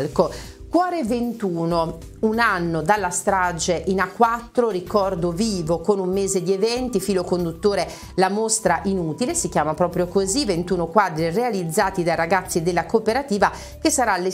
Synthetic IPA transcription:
lko | kwɔːɾevent̪uːno | unanːod̪alːast̪ɾad͡ʒeʔinakːwat̪ːɾoɾikɔrd̪oviːvokonumːeːzed̪ievɛnt̪ifiːlokond̪ut̪ːoːɾe | lamost̪ɾaʔinuːt̪ilesikjaːmapɾɔːpɾjokozivent̪uːnokwaːd̪ɾirealid̪zːaːt̪id̪araɡat̪sːid̪elːakopeɾat̪iːva | kesːaɾalːe

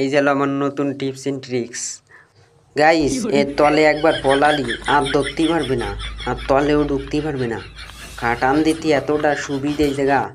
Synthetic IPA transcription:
ejd͡ʑɛloamannot̪unʈipseɳʈɾiks | ɡaiset̪ɔleɛk̚baɾpɔlaliat̪d̪ok̚t̪ipaɾbena̰aɾt̪ɔleoɖʱukt̪ipaɾbena̰ | kʰãʈand̪it̪iɛt̪oʈaʃubid̪ejd͡ʑɛɡa

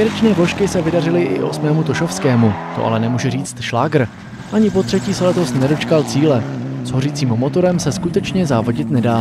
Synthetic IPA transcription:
jɛɾɛt͡ʃnɛːvoʃkɪsɛvɪdarɪlɪʔɪ̰ʔo̞smɛːmut̪o̞ʃo̞fskɛːmut̪oʔa̰lɛnɛmuːʒɛriːt͡st̪ʃlaːɡr̩ | ʔaɲɪpo̞t̪r̝̥ɛciːsɛlɛt̪o̞snɛdo̞t͡ʃkalt͡siːlɛz̥ɦo̞riːt͡siːmmo̞t̪o̞ɾɛmsɛskut̪ɛt͡ʃɲɛzaːvo̞ɟɪt̪nɛdaː

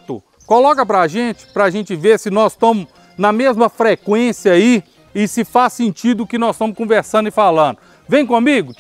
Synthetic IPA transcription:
t̪ʊ̰ | kolɔkɐpɾɐaʒẽt͡ʃɪ̥pɾɐaʒẽnt͡ʃɪveɾsɪnɔst̪ɐ̃mʊ | nɐmezmɐfɾekwẽsjɐai | ɪsɪfasːẽnt͡ʃid̪ʊːkɪnɔzst̪ɐ̃mʊskõveɾsɐ̃nd̪ʊɪfalɐ̃d̪ʊ | vẽj̃kõmiɡʊ

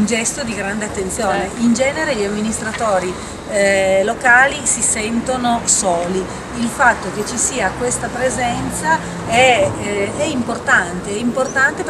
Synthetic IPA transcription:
und͡ʒɛst̪od̪iɡɾand̪eat̪ːent̪sjoːneind͡ʒɛːneɾeʎiamːinist̪ɾat̪oːɾi | lokaːlisisɛnt̪onosoːli | ilfat̪ːok̟et͡ʃːisiːakwest̪apɾezɛnt̪sa | ɛ | ɛimport̪ant̪eɛimport̪ant̪ep

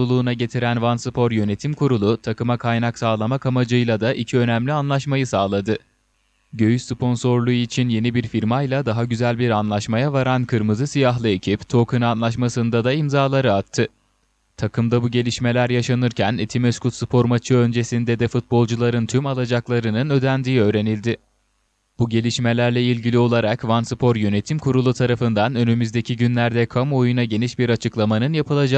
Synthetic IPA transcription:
ulˠuːnaɟe̞t̪ʰiɾænvansɯpʰo̞ɾjø̞ne̞t̪ʰimkʰuɾulˠut̪ʰakɯmakʰajnaksaːlˠamakamad͡ʒɯjlˠad̪aʔicʰiø̞næmlʲianlˠaʃmajɯsaːlˠad̪ɯ | ɟø̞jyʃspʰo̞nso̞ɾlˠuit͡ʃʰinje̞nibiɾfiɾmajlˠad̪aɦaɟyzælʲbiɾanlˠaʃmajavaɾankʰɯɾmɯzɯsijaɦlˠɯe̞cʰipt̪ʰo̞ːkʰɯnanlˠaʃmasɯnd̪ad̪aimzaːlˠaɾɯat̪ʰːɯ | t̪ʰakʰɯmd̪abuɟe̞lʲiʃme̞lʲæɾjaʃanɯɾcʰænet̪ʰimeskut̪sɯpʰo̞ɾmat͡ʃʰɯø̞nd͡ʒe̞sind̪ɛd̪ɛfut̪̚bo̞lˠd͡ʒulˠaɾɯnt̪ʰymalˠad͡ʒaklˠaɾɯnɯnø̞d̪ænd̪iːø̞ːɾe̞nilʲd̪ɪ | b̥uɟe̞lʲiʃme̞lʲæɾlʲɛilʲɟilʲio̞lˠaɾakvansɯpʰo̞ɾjø̞ne̞t̪ʰimkʰuɾulˠut̪ʰaɾafɯnd̪anø̞nymyzd̪e̞cʰiɟynlʲæɾd̪ɛkʰamuojunaɟe̞niʃbiɾat͡ʃʰɯklˠamanɯnjapʰɯlˠad͡ʒa

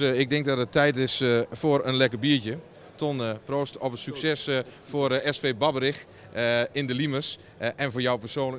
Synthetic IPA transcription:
ɪk̚dɪŋk̚dɔtətʰːɛjtɪsfoəɾənlɛkəbiətə | tʰonproːstɔpətsyksɛsfoərɛsfeːbɑbəɾɪx | ɪndəliməs | ɛnfoːjawpərsoːnlə

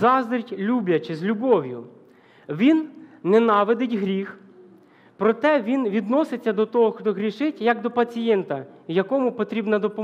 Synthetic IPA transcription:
zɑzd̪ɐɾʲtʲlʲubʲjɐt͡ʃɪzʲlʲʊbɔʋʲjʊ | ʋʲinːɛnɑʋed̪ɪtʲɦɾʲix | pɾɔt̪ɛʋʲinʋʲid̪nɔsɪt͡sʲːɐd̪ɔt̪ɔɦɔxt̪ɔɦɾʲiʃɪtʲjɐɡd̪ɔpɐt͡sʲijɛnt̪ɐjɐkɔmʊpɔt̪ɾʲibnɐd̪ɔpɔ

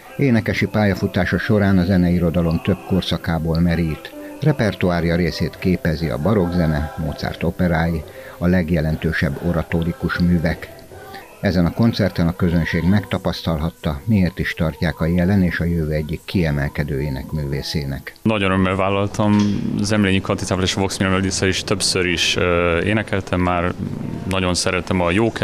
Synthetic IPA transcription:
eːnɛkɛʃipaːjɒfut̪aːʃɒʃo̞ɾaːnɒzɛnɛiɾo̞d̪ɒlo̞mt̪ø̞bko̞rsɒkaːboːlmɛɾit̪rɛpɛrt̪uaːɾjɒɾeːseːt̪keːpɛziɒ̰bɒɾo̞ɡzɛnɛmoːt̪sa̰ːrt̪o̞pɛɾaːji | ɒlɛɡjɛlɛnt̪øːʃɛbːo̞ɾɒt̪oɾikuʃmyːvɛk | ɛzɛnɒko̞nt̪sɛrt̪ɛnɒkø̞zønʃeːɡmɛkt̪ɒpɒst̪ɒlɦɒt̪ːɒmieːrt̪iʃt̪ɒrcaːkɒjɛlɛneːʃɒjøvøːɛɟːikːiɛmɛlkɛd̪øːjeːnɛkmyːveːseːnɛknɒɟonømːɛlvaːlːɒlt̪ʰɒmzɛmleːɲikɒnt̪it̪aːvleːʃvoksmilnɛld̪isɛiʃt̪øpsøɾiʃḛːnɛkɛlt̪ʰɛmːaːrnɒɟo̞nsɛɾɛt̪ɛmɒjoːk

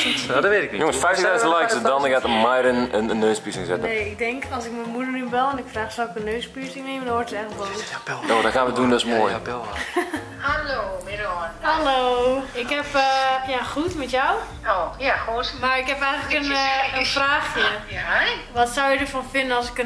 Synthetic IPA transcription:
dɔʋetɪknijoŋəsfɛjftdœjdəlɛjksədɔnəɡatəmajɾənənənːøːspisɪŋsɛtəneːɪk̚dɛŋkʰɔlˠsɪk̚mənmudərnybɛlˠɛnɪkfraːxsawɪkənːøːspyəsɪŋneːməndɔnʋortətɛjŋləkʋɔlˠutnodɔtxaːnʋədundøsmoːjbɪlˠ | halomɪdhaloːɪkɦɛpjaxutmɛtjaw | ojautmaɹɪkhɛpɛjɣləkənənfraːxfə | ʋɔtsawjədəfɔnfɪndənɔlˠsɪkə

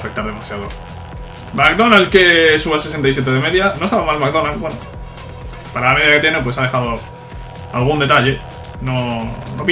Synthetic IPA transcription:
fe̞k̚t̪aɾð̞e̞masjaðo̞̰ | makðo̞nalkesuβase̞sent̪ajs̬je̞t̪eðeme̞ðjano̞est̪aβamalmak̚ðo̞nalbweno | paɾalame̞ðjaket̪je̞ne̞pwe̞saðe̞xaðo | alɣ̞und̪e̞t̪aʎe̞ | no̞nopi

